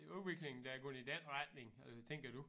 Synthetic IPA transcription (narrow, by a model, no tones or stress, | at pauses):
uðˠʋe̝ɡ̥le̝ŋn̩d̥ɑ̈ɐɡ̥ɔ̽nəid̥enʁɑd̥̚ne̝ŋæt͡sʰeŋ̰ɡ̥ɐd̥u